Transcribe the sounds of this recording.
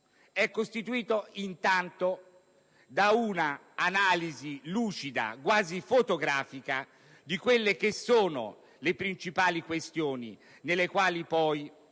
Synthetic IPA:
ɛkːost̪it̪uiːt̪oint̪ant̪o | d̪aunaː | naːliziluːt͡ʃid̪a̰kwaːzifot̪oɡɾaːfika | d̪ikwelːek̟esːoːno̰ | lepɾint͡ʃipaːlikwest̪joːnḭ | nelːekwaːlipɔj

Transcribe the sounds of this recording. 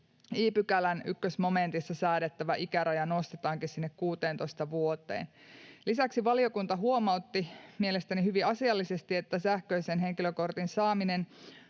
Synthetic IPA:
iːpykælænykːøsmo̞ment̪isːɑsæːɾet̪ːæʋæʔikæɾɑjɑno̞st̪et̪ɑːŋkissinːekkuːt̪eːnt̪oist̪ɑʋuot̪ḛːn | lisæksiʋɑliokunt̪ɑɦuo̞mɑuwt̪ːimielest̪ænihyʋiɑsiɑlːisest̪iet̪ːæsæhkøisenɦe̞ŋkiløko̞rt̪insɑːminen

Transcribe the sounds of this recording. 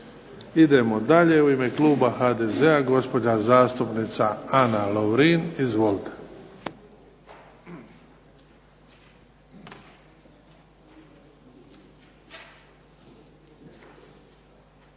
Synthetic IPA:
id̪e̞mo̞d̪aʎe̞uime̞kluːbaxaːd̪ezeaɡo̞spo̞d͡ʑazaːst̪upnit̪saanaloʋɾinizʋolt̪ḁ

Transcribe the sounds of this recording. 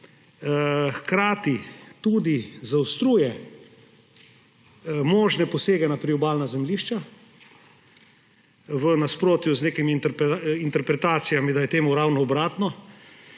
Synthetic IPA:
xkɾaːt̪it̪uːd̪izawst̪ɾuːjɛ | mɔːʒnɛpɔseːɡɛnapɾiɔbaːlnazɛmliːʃt͡ʃa | ʋənaspɾoːt̪juzneːkimint̪ɛɾpint̪ɛɾpɾɛt̪aːt̪sijamid̪ajɛt̪eːmuɾawnɔːbɾaːt̪nɔ

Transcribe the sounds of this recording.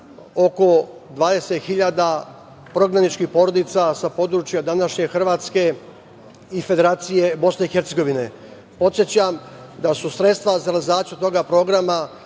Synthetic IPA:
o̞ko̞d̪ʋaːd̪e̞set̪xiʎad̪a | pɾo̞ɡɾanit͡ʃkixpo̞ɾo̞d̪it̪sasapo̞d̪ɾut͡ʃjad̪anaʃɲe̞xr̩ʋaːt̪ske̞ | ife̞d̪e̞ɾaːt̪sije̞bo̞sne̞ixeɾt̪seɡo̞ʋine̞ | po̞t̪sjet͡ɕamd̪asusɾe̞t̪st̪ʋazaɾelizaːt͡ʃjut̪o̞ɡapɾo̞ɡɾama

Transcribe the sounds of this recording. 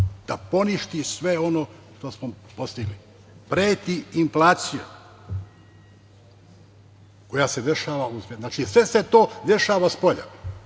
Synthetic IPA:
d̪̥apo̞niʃt̪isʋe̞o̞no | ʂt̪osmo | po̞st̪iɡli | pɾeːt̪iiɱflaːt̪sija | ko̞jase̞d̪e̞ʃaːʋausenaːt͡ʃisʋe̞se̞t̪o̞ːd̪e̞ʃaːʋaspo̞ʎa̰

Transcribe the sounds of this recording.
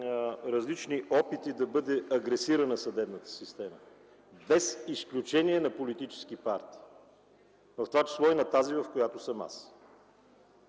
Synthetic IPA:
ɾəzlit͡ʃniʔɔpit̪id̪ɐbɤd̪ɛɐɡɾɛsiɾənəsɐd̪ɛbnət̪ə̥sist̪ɛmə | bɛsisklʲut͡ʃɛniɛnɐpolit̪it͡ʃɛ̥sk̟ipaɾt̪i̥ː | vəft̪ovat͡ʃi̥slˠɔinɐt̪azivɐfkojat̪ʊsəma̰s

